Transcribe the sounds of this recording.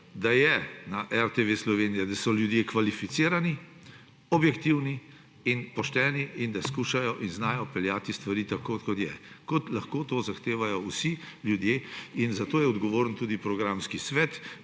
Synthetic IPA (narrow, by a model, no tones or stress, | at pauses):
d̪ajɛnaʔɛɾt̪eʋeslɔʋeːnijɛd̪asɔljud̪jekʋalifit̪siːɾani | ɔbjɛkt̪iwni | inpɔʃt̪ɛːniind̪askuːʃajɔʔinznaːjɔpɛljaːt̪ist̪ʋaɾiːt̪akokɔt̪jɛkɔt̪laxkoːt̪oːzaxt̪eːʋajɔwsiljud̪jeːinzat̪oːjɛɔd̪ɡɔʋoːɾənt̪ud̪ipɾɔɡɾaːmskisʋɛt̪